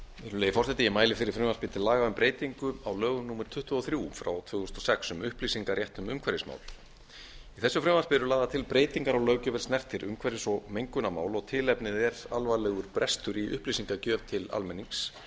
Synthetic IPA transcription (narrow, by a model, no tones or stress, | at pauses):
ɛɾʏleːjɪfɔrsɛt̪ijɪmaːjlɪfɪɾɪɾ̥fɾʏːmanspɪt̪ʰɪllaːɣaʏmpɾeːjt̪iŋkʏawlœːɣʏnuːmɛɾ̥t̪ʰʏht̪ʏɔθɾjufɾa̰wt̪ʰvʏːʏst̪ɔsɛksʏmʏhplisiŋkaɾjɛht̪ʏmʏmkʰvɛɾɪsma̰ːwl | iθɛsːʏfɾʏːmanspɪɛɾʏlaːðat̪ʰɪlpɾeːjt̪iŋkaɾawlœːwcʏvɛlsnɛr̥t̪ʰɪɾʔʏ̰mkʰvɛɾɪsɔɣmejŋkʏnama̰ːwlɔɣt̪ʰɪlɛpnɪðɛɾa̰lvalɛɣʏɾpɾʔɛst̪ʏɾiʔʏ̰hplisiŋkacœːvt̪ʰɪla̰lmɛnːiŋks